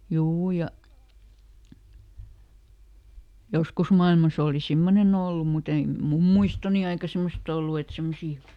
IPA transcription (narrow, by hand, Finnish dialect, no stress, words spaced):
juː jɑ joskus mɑilmɑs oˑli simːonen olːum mut ei mum muistoni ɑikɑ semost olːu et semːosiː